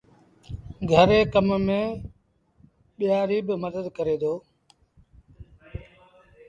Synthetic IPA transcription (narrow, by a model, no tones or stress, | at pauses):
ɡʱəɾeːkəmmẽː | ɓɪjaːɾiːbɪməd̪əd̪kəɾeːd̪oː